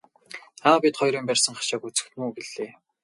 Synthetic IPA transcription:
aːpit̪χɔjɾiːmpærʲsə̆ŋɢḁʃaːkut͡sɘ̥̆xt̪muːɡeɮeː

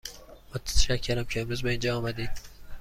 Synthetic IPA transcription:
mot̪ʰæ̥t̪æʃæcʰːeɾæmcʲʰeemɾuːzbeind͡ʒɒːmæd̪iːd̪̥̚

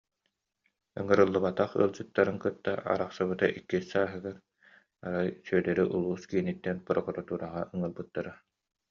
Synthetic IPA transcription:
ɯ̰ŋɯɾɯlˠːɯbat̪aχɯ̰lˠd͡ʑɯt̪ːaɾɯnkɯt̪ːaa̰ɾaχsɯβɯt̪aʔikːisaːɦɯɡaɾ | a̰ɾajsyœd̪ɛɾiʔulˠuːskiːnit̪ːɛnpɯɾɔɡɔɾɔt̪uːɾaʁa̰ʔɯŋɯlˠbɯt̪ːaɾa

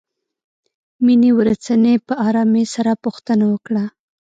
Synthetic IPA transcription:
miniwɾat͡sanepəɑɾɑmesaɾapuxt̪ənawəkɽa

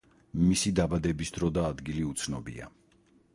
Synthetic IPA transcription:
misid̪abad̪ɛbisd̪ɾɔd̪aːd̪ɡiliut̪sʰnɔbḭa̰

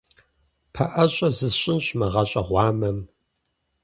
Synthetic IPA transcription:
pʰɐʔɐɕʼɐzɨɕʼɪnɕʼmɐʁɐɕʼɐʁʷɑːmɐm

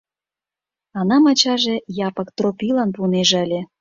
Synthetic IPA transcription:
ɑnɑmɑt͡ɕɑʒĕjɑpəkt̪ropʲilɑnpuneʒəlʲe

